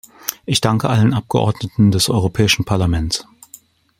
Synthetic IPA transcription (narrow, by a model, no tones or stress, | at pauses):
ʔɪçd̥aŋkəʔalənʔap̚ɡ̥əʔɔ̰ɐdnətn̩dɛsʔɔ̰ʏʁopʰɛːɪʃn̩pʰaɐlamɛns